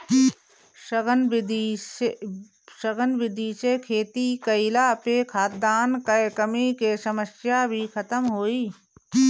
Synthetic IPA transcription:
ɡnd̪ | ʃəɡənʋɪd̪iːsekʰeːt̪ikəɪlapekʰaːt̪d̪aːnkəkəmikesəməsjabʱikʰət̪əmɦoːiː

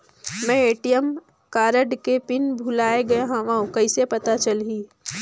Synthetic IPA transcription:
mɛ̃eːʈijəm | kaːɾəɖkepɪnbʱʊlaːeɡɐeɦãʋaũkɐɪsepɐt̪at͡ʃɐlɦiː

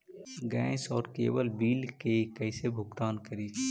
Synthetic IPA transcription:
ɡɛ̃ːɪsɔːɾkḛːwəlbiːlkekəːsebʱʊkt̪aːnkəɾiː

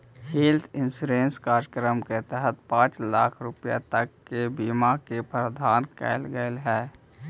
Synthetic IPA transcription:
hiːlt̪ʰɪ̃nsuɾẽːnskaːɾəkɾəmket̪ɛɦət̪̚pãːt͡ʃlaːkʰɾʊpja̰t̪əkːebimakepɾəd̪ʱaːnkɛ̰ːlɡəlɦɛː

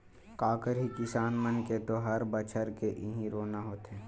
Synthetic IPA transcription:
kaːkəɾɦikɪsaːnmənket̪oɦɐɾbət͡ʃʰəɾkeʔɪɦĩɾoːnaɦoːt̪ɦɛː

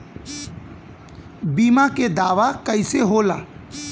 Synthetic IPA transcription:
biːmaked̪aːʋakəɪseɦola̰ː

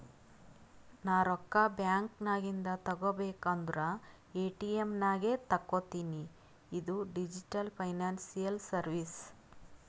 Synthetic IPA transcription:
naːɾɔkːɐbjaːŋknaːɡind̪ɐt̪ɐɡobeːkɐnd̪uɾɐ | eːʈiemnaːɡet̪ɐkːot̪iːniː | d̪uɖid͡ʒiʈɐlpʰɐjnaːnsijɐlsɐɾʋis

